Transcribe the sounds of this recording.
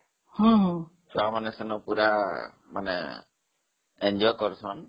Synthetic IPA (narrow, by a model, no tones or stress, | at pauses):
hɔ̃ɦɔ̃ | samanɛsɛnɔpuɾa | manɛ̰ | ɛɲd͡ʒɔjkɔɹsɔn